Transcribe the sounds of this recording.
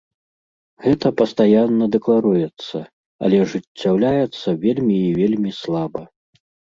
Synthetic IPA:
ɣɛt̪ɐpɐst̪ajanːɐd̪ɛklˠaɾujɛt̪sːɐ | ɐ̰lʲɛʐɨt͡st͡sʲːawlʲajɛt̪sːɐvʲelʲmʲiːvʲelʲmʲislˠabɐ

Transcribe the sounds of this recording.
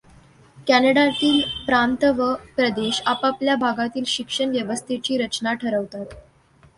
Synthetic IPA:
kænəɽat̪iːlpɾant̪ʋəpɾəd̪eɕapapljabʱaɡat̪iːlɕikʂəɳʋjəʋəst̪ʰet͡ɕiːɾət͡ɕnaʈʰəɾəʋt̪at̪

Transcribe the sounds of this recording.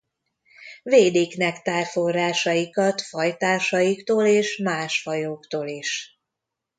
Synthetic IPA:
veːd̪eːknɛkt̪aːlfo̞rːaːʃɒjikɒt̪fɒjt̪aːʃɒjikt̪oːleːʃmaːʃhɒjoːkt̪oːliʃ

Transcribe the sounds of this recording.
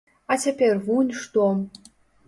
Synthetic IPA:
atʲepʲervunʲʂt̪om

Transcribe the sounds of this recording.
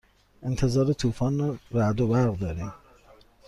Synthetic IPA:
ʔe̞nt̪ʰe̞zɒːɾet̪ʰuːfɒːnrɔɾæd̪obæɾɣd̪ɒːɾiːm

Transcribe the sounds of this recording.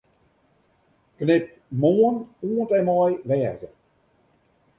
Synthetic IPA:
knɪp̚moənuəntɛnmɔjʋɛːzə

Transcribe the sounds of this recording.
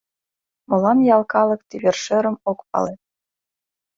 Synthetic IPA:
mɤ̆lˠɑnjɑlˠkɑlˠɤ̆kt̪ʲiβʲerʃɘ̆ɾə̆mokpɑ̰let̪

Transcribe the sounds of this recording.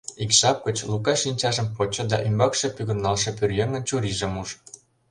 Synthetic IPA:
ikʃɑp̚ɡə̆t͡ɕlukɑʃinʲt͡ɕɑʒə̆mpot͡ɕɤ̆d̪ɑʔymbɑkʃĕpyɣə̆rnɑlʃɤ̆pørjeŋə̆nt͡ɕuɾiʒə̆muʒ

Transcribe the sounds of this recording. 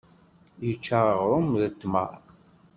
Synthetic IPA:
jət͡ʃːaʁɾˤʊmðət̪ːmə̰ɾˤ

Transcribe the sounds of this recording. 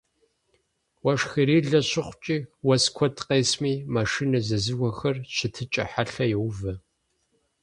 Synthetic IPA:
wɐʂxiɾiːɮɐɕɪχʷʊt͡ʃʼiːwɐskʷʰɔtqeːsmiːmaʂiːnɐzɐzɨɣʷɔxɐrɕɪtʰɨt͡ʃʼɐ̰ħaɬɐjɛwvɐ

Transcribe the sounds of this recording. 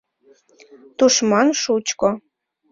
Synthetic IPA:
t̪uʃmɑnʃut͡ɕko

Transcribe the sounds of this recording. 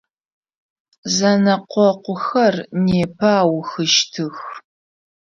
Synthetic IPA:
zɐnɐqʷɔqʷʊxɐrneːpʰɐːwxɨʃtʰɨx

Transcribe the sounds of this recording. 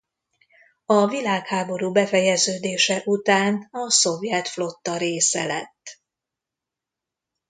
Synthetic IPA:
ɒvilaːkhaːbo̞ɾuːbɛfɛjɛzøːd̪eːʃɛʔut̪aːnɒso̞vjɛt̪flo̞t̪ːɒɾeːsɛlɛt̪ː

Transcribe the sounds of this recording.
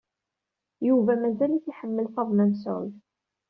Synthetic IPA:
juvæmæzæliθiħəmːəlθɑðˤmæməsʕʊ̰ð

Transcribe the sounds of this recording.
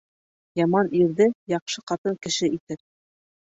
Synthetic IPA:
jɑmɑniɾðɘjɑqʃɤqɑt̪ɤŋkɘ̆ʃɘit̪ɘp̚

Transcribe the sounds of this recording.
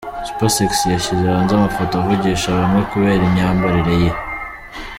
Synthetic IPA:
sposeksjaʃiziɾaːnzamafotovuɟiːʃaβamŋwe̞kuβe̞ːɾimɲaːmbaɾiɾe̞je

